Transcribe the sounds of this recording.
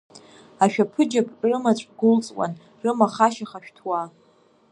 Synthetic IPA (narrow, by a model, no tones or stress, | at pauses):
aʃᶣapʰɨd͡ʒapʼrɨmat͡ɕʷʼɡʊlt͡sʼwʼa̰n | rɨmaχaʃaχaʃᶣtʰwa